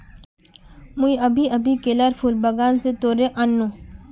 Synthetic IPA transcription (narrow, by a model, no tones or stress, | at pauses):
muiɐbʱiɐbʱikeləɾfʰuːlbɐɡaːnset̪oːɾeʔɐ̃nːũ